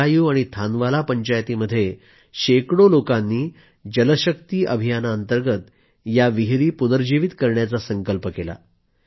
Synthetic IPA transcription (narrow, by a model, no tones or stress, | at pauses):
ajuːaɽ̃it̪ʰanʋalapəɲt͡ɕajt̪iməd̪ʱːje | ɕekɽolokanːiː | d͡ʑələɕək̚t̪iːʔəbʱijanaənt̪əɾɡət̪ | jaʋiɦɾiːpunəɾd͡ʑiʋit̪kəɾɳjat͡sasəŋkəlpəkela̰